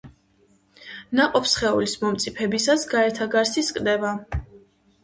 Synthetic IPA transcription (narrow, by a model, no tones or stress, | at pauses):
naqʼɔpʰsχɛulismɔmt̪sʼipʰɛbisasɡaɛɾt̪ʰaɡaɾsiskʼd̪ɛva